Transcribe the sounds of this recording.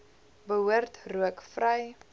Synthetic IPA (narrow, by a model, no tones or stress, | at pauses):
bəɦuərtruəkfrəj